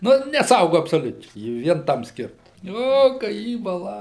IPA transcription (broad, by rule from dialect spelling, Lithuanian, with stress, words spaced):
ˈnʊ nʲɛˈsɐʊɡʊ ɐpsoːˈlʲʊt͡ʃʲɛɪ ˈjɪ ˈʋʲiɛn ˈtɐm ˈsʲkʲɪrtɐ ˈoː kɐ ˈjiː bɐˈlˠɐ